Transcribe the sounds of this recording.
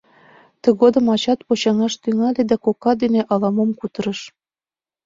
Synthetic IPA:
t̪ə̆ɣod̪ɤ̆mɑt͡ɕɑt̪pot͡ɕɑŋɑʃt̪yŋɑled̪ækokɑd̪eneʔɑlɑmomkut̪ɤ̆ɾɤ̆ʃ

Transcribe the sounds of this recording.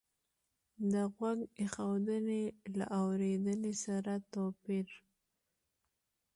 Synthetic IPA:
d̪əɣwaɡexawd̪ənela̰ʔawɾed̪ənesaɾat̪opiɾ

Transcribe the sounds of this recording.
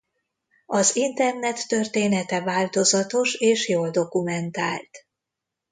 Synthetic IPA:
ɒzint̪ɛrnɛt̪ːørt̪eːnɛt̪ɛvaːlt̪o̞zɒt̪o̞ʃeːʃjoːld̪o̞kumɛnt̪aːlt̪

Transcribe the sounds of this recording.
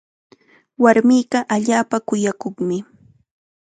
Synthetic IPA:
waɾmiːɢɑʔaʎaːpakʊjakoχmɪ

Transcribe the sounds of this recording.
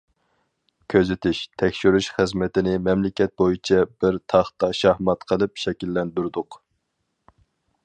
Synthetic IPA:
kʲʰøzɪt̪ʰɪʃt̪ʰɛkʲʃyɾyʃχɨzmɛt̪ɪnɪmɛmlɪkʲɛt̪̚bojit͡ʃʰɛbɪɾt̪ʰɑχt̪ɑʃɑhmɑt̪qʰəlˠɨpʃɛkʲilːɛnd̪yɾd̪ʊq

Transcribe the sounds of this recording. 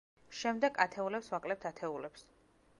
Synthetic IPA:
ʃɛmd̪ɛɡat̪ʰɛulɛpswakʼlɛp̚t̪ʰat̪ʰɛulɛps

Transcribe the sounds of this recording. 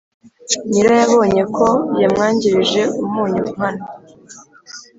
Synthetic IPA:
ɲiɾajaβo̞ːɲe̞kʰo̞jamŋaːɲɟiɾiʒe̞umuːɲuum̥hana

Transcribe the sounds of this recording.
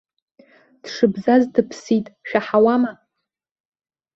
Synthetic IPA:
d̥ʂɨbzazdɨpʰsitʼʃᶣaħawama

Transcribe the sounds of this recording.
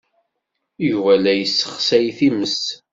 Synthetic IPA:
juvælæjəsːə̥χsæjθiməs

